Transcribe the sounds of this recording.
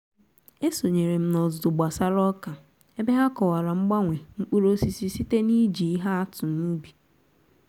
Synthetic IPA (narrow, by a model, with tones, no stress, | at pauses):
e˦so˨ɲe˨ɾe˨m̩˦nɔ˨zʊ˨dʊ˨ɡ͡ba˨sa˦ɾɔ˦ka˨ | e˦be˦ɦa˦kɔ˨wa˨ɾa˨ŋ͡m̩˦ɡ͡ba˦ŋʷe˨ŋ͡m̩˦k͡pu˦ɾo˦si˦si˦si˦te˦ni˦d͡ʒi˨i˦ɦa˦a˦tʊ˨nu˦bi˨